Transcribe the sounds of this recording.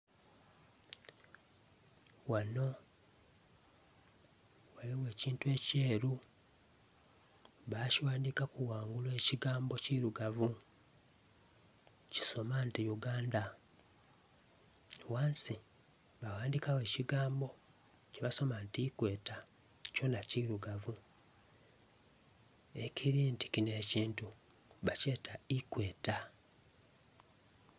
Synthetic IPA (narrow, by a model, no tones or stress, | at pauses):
wano̞ | waliwe̞ːciːntue̞ːceːɾu | βaciwaːndikakuwaːŋɡulwe̞ːciɡaːmbo̞ciɾuɡavu | ci̥so̞mantijuɡaːnda | waːnsi | βawaːndikawe̞ːciɡaːmbo̞ | ceβaso̞mantikwe̞ːta | co̞naciɾuɡavu | e̞cʰiɾinti̥kine̞ːciːntu | βace̞ːtʰaikwe̞ːta